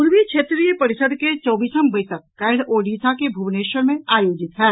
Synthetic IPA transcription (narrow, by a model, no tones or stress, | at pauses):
uɾʋikʃʰeːt̪ɾijəpɐɾɪsəd̪ʱket͡ʃɔːbiːsəmbəɪsək̚ːɛɪɽoːɖiːsakebʱuʋneːʃəɾmẽaːjoːd͡ʒɪt̪ɦɛː